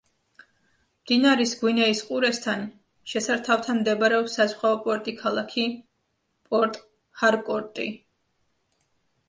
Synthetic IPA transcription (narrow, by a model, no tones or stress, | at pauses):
md̪̥inaɾisɡwinɛisqʼuɾɛst̪ʰan | ʃɛsaɾt̪ʰaft̪ʰamd̪ɛbaɾɛɔpsazχwaɔpʼɔɾt̪ʼikʰalˠakʰi | pʼɔɾt̪ʼ | haɾkʼɔɾt̪ʼi